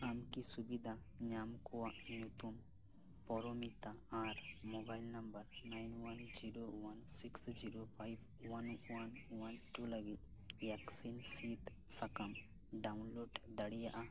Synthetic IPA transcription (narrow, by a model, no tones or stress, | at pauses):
amkisubid̪ʱa | ɲamkɔwaʔnjut̪um | pɔɾomit̪aːɾmobajlnɐmbəɾnajnwɐnd͡ʒiɾowansiksd͡ʒiɾopʰajb | wɐnwanwanʈuləɡit̪ | jaksinsit̪ | sakam | ɖaunloɖd̪ɐɽijaʔa